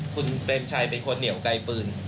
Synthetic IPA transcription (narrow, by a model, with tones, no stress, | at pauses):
kʰu˧nkɾe˧mt͡ɕʰaː˧jpe˧nkʰo˧nːi˩˦wka˧jpɯː˧n